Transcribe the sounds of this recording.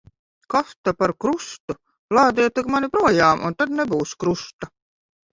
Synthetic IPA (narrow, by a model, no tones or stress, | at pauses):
kaft̪apaɾkɾust̪u | lˠɑːd̪iɛt̪ːɨɡmanipɾuɔjɑːmʔɔ̰nt̪ad̪nebuːskɾust̪a